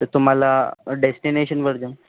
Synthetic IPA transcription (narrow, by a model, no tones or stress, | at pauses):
əɾt̪um̤alaɖesʈineɕənʋəɾd͡ʑə